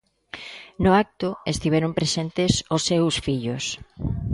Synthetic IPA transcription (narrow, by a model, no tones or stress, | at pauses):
nʊak̚t̪ʊest̪iβɛɾompɾesent̪ɪsʊsːewsfiʎʊs